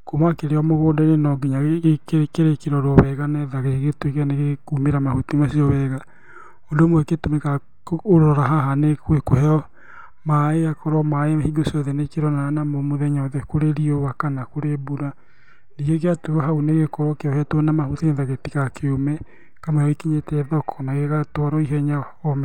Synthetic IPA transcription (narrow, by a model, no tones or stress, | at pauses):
komakeɾeɔmoɣoːdɛnenɔɡiɲaɣɣekekeɾekeɾɔɾwɔβɛɣanɛðaɣeiɣetwekaneɣekumeɾamahutimasiɔβɛɣa | ondomoeketomeka | oɾɔɾaɦaɦanekwekohɛɔ | maeakɔɾɔmaehiɡosiɔðɛnekeɾɔnanamomoðɛɲaoðɛkoɾeɾiowakanakoɾebuɾa | niɣekeatuɔɦauneɣekɔɾɔkeɔhɛtwɔnamaɦutinɛðaɣetiɣakʰeomɛ | kamaɔikiɲetɛðɔkʰɔnaɣeɣatwaɾɔiɦɛɲa | ɔmɛ